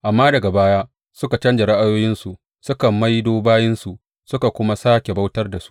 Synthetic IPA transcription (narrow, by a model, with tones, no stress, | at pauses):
ʔa˨mːaː˦dɐ˨ɡa˨baː˦ja˦ | sʊ˦ka˨t͡ʃɐ˦nd͡ʒa˨ɽa˦ʔa˦joː˦jɪ˦nsu˨ʔ | sʊ˦kɐ˨mːa˦jdoː˦baː˦jɪ˦nsu˨ʔ | sʊ˦ka˨kʷʊ˦ma˦saː˦kʲe˨ba˦wtɐ˦rda˨su̥˦ʔ